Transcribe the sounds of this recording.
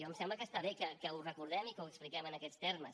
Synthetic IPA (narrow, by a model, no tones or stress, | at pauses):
ɔəmsɛmbləkəst̪aβekəkəurəkuɾðɛmikəwəksplikɛmənəkɛt̪st̪erməs